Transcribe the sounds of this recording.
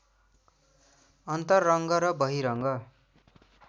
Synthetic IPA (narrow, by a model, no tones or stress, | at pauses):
ʌnt̪ʌrːʌŋɡʌɾʌbʌɦiɾʌŋɡʌ